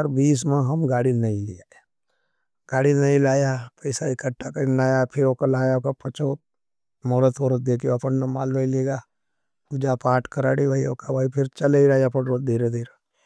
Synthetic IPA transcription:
əɾbiːs̬mẽɦɐmɡaːɽinɐɦĩlija | ɡ̥aːɽinɐĩlaːjapɐɪsaikʰɐʈːakainaːjapʰɪɾoːkalaːjaokapɐt͡ʃo | moːɾot̪ʰoːɾod̪eːkʰijoɐpənnɐma̰ːlbɐiliɡa | pud͡ʒapaːʈkɐɾaːɽiʋəioːkabɐipʰɪɾt͡ʃɐleiɾaːiɐpənɾod̪ʱiːɾed̪eːɾe

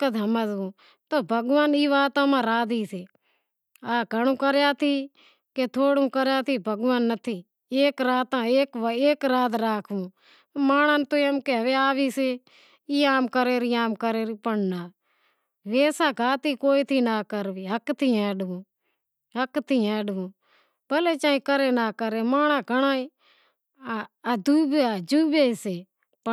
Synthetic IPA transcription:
kəd̪ʱəməzũː | t̪oːbʱəɡʋaːniːʋaːt̪ãːmãːɾaːd̪iːseː | aːkəɽ̃ũːkəɾjaːt̪ʰiː | keːt̪ʰoːɽũːkəɾjaːt̪ʰiːbʱəɡʋaːnːət̪ʰiː | eːkɾaːt̪ãːeːkeːkɾaːt̪ɾaːkʰũː | maːɽ̃ãːnt̪oːjəmkeːɦəʋeːaːʋiːse | iːaːmkəɾeːɾiaːmkəɾeːɾiːpəɽnaː | ʋeːsaːɡʱaːt̪iːkoːiːt̪ʰiːnaːkəɾʋiːɦəkt̪ʰiːɛ̃ːɖũː | ɦəkt̪ʰiːɛ̃ːɖũː | pəleːt͡ʃãːĩːkəɾeːnaːkəɾemaːɽ̃aːɡəɽ̃aːĩ | d̪uːbeaːd͡ʒuːbeːiseː | p

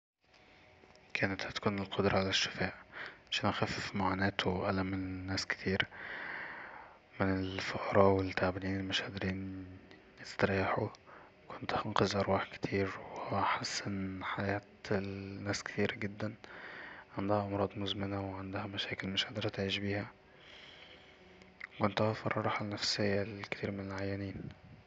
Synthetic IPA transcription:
kʰæːnæt̪hæt̪æ̥kuːnelqʰod̪ɾˤɑʕalæʃːɪ̥fæːʔʕaʃænʔæxæːffmaʕaːnæːt̪wʔælæmnːæːske̥t̪ʰiːɾ | mɪnelfoʔɑɾˤɑːwelt̪aʕbæliːnmæʃhæd̪ɾiːn | jest̪ɑɾiːħu | kʰont̪hɑnqɑzʔɑɾˤwɑːħke̥t̪ʰiːɾweeʔaħesːʔenːħajæːt̪ː | æːske̥t̪iːɾæɡed̪ːæn | ʕend̪æhæʔɑmɾˤɑːd̪ˤmozmɪnæweʕend̪hæmæʃæːkelmæʃæd̪eɾˤæt̪ʕiːʃbiːhæ | kont̪hæfɑɾˤːɑˤɑːħalnːæfsejːælke̥t̪iːɾmenelʕajːæniːn

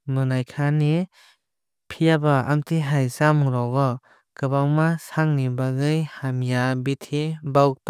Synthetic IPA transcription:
mɯnajkʰani | pʰijabaa̰mtʰiɦajsamɯɾɔɡɔ | kɯbawmasaŋnibaɡɯjhamjabitʰibaw̚pa

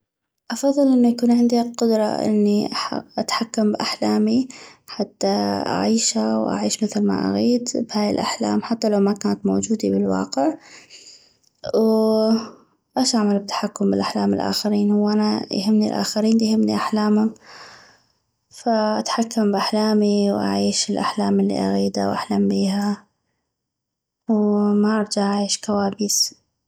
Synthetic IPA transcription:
ʔɑfɑðˤːɨlʔɪnːujakuːnʕɪnd̪iqʊd̪ɾˤɑ̰ʔɪ̰nːiʔʔat̪ħakːambʔaħlaːmiħat̪ːaʔa̰ʕiːʃawʔa̰ʕiːʃmɪθlma̰ʔa̰ɣiːd̪bhaːjɪ̰lʔaħla̰ːmħat̪ːalawmakaːnat̪mo̰ːd͡ʒuːd̪ibɪlwɑ̰ːqɪʕ | w | ʔaʃʔaʕmalɪb̚t̪ːḁħakːʊmbɪlʔaħlaːmɪlʔa̰ːxɪɾiːnhʊwːʔanajhɪmːnilʔa̰ːxaɾiːnjhɪmnḭʔaħlaːmhʊm | faʔat̪ħakːambʔaħlaːmiwʔa̰ʕiːʃɪlʔa̰ħlaːmɪlːḭʔa̰ɣiːd̪a̰wʔaħlaːmbiːɦa | wmaʔɑɾˤd͡ʒaʔaʕiːʃkawaːbis

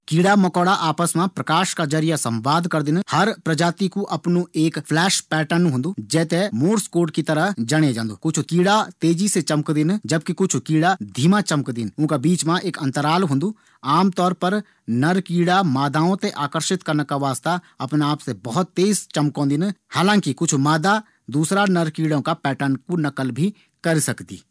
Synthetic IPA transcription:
kiːɽaːməkɔːɽaːʔaːpəsmãːpɾəkaːʃkaːd͡ʒəɾɪjaːsə̃mʋaːd̪kəɾd̪ɪnhəɾpɾəd͡ʒaːt̪iːkuʔəpnũːeːkpʰlɛːʃpɛːʈənnũːɦʊ̃nd̪uːd͡ʒɛːt̪eːmoːɾskoːʈkit̪əɾəɦd͡ʒəɽ̃ed͡ʒãːnd̪uːkʊt͡ʃʰkiːɽaːt̪eːd͡ʒiːset͡ʃəmkd̪ɪnd͡ʒəb̚kɪkʊt͡ʃʰkiːɽaːd̪ʱiːmat͡ʃɐmkd̪ɪnʊ̃kabiːt͡ʃmãʔeːkɐ̃nt̪əɾaːlɦõnd̪uː | aːmt̪ɔːɾpəɾ | nɐɾkiːɽamaːd̪aːõt̪eʔaːkəɾʃɪt̪kɐɾnakaʋaːst̪a | ɐpnaːpsebɐɦʊt̪ːeːzt͡ʃɐmkõːnd̪ɪnhaːlãːŋkikʊt͡ʃʰmaːd̪a | d̪uːsɾanɐɾkiːɽõkapɛːʈənkunɐkəlbʱi | kɐɾsɐkd̪ḭː

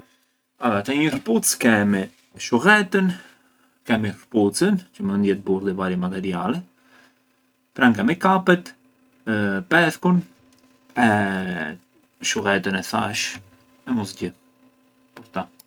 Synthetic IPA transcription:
at̪ɛɲəɾput͡skɛmi | ʃuɣɛt̪ən | kɛmiput͡sənt͡ʃəməənd̪jɛt̪̚buɾðivaɾɛmat̪ɛɾialɛ | pɾaŋkɛmikapɛt̪ | pɛθkun | ɛ | ʃuɣɛt̪ənɛθa̰ʃ | ɛmɔsɟiθ | pəɾt̪a

